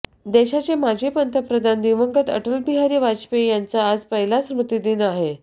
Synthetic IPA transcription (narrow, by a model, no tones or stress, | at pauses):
d̪eɕat͡semad͡ʑʱipənt̪ʰəpɾəd̪ʱand̪iʋəŋɡət̪ə̰ʈəlbiɦaɾiːʋat͡spejant͡saːd͡zpəɦilasɾmət̪id̪iːnaɦe